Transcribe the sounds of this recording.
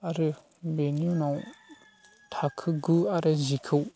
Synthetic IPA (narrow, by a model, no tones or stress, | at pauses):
aɾɯ | benjunaw | tʰakʰɯɡɯaɾɯzikʰɯw